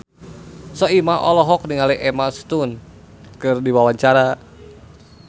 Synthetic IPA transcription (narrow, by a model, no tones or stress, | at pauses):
sɔimaʔɔlɔɦɔk̚niŋaliʔɛmast̪un | kɨrdiwawaɲt͡ʃaɾa